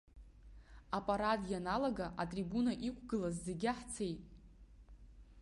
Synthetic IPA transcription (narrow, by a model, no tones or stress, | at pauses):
apʼaɾatʼjanalaɡaʔatʼribunaʔikʷʰɡɨlazzeɡʲaħt͡sʰejtʼ